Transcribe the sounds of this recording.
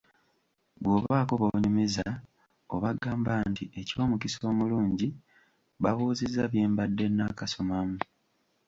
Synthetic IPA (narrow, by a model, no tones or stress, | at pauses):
βwo̞ːβaːkoβouɲumiza | oβaɡaːmbantiʔeco̞ːmukiso̞ːmuluːɲɟi | βaβuːzizaβjeːmbadːe̞nakaso̞mamu